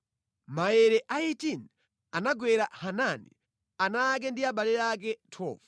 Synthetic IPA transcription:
maɛɾɛʔaitin | anaɡwɛɾahananḭ | anak̬ɛndiaɓalɛɾak̬ɛtʰɔ̰ːvḁ

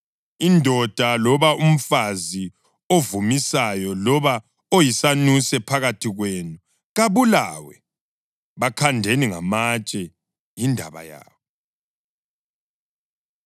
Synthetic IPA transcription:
indʱɔd̥ʱalɔβaʔum̩fazi | ovumisajɔlɔβa | ojisanusɛpʰaɣatʰiɣweːnu | ɣaβulawɛ | βakʰandʱeniŋa̰mat͡ʃʼɛ | jindʱa̰βa̰ja̰ːβɔ

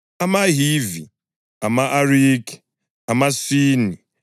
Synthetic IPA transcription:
amaɦivi | amaʔaɾiki̥ | amasiːni

